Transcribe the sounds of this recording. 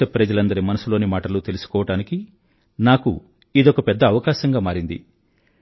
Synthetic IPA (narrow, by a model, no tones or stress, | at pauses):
ɐpɾɐd͡ʒɐlɐnd̪ɐɾimɐnɐsulo̞ːnimaːʈɐlut̪e̞lusu̥kɔːʋɐʈaːniki | naːku | id̪ɔkɐpɛd̪ːɐːʋɐkaːʃɐŋɡaːmaːɾind̪ḭ